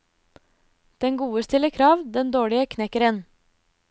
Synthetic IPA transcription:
d̪̥ɛŋɡuːəst̪ɪləkʰɾɑːʋd̪ɛnd̪oːɭɪəkʰnɛkəɾən

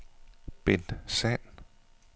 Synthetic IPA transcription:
b̥end̥sɛn

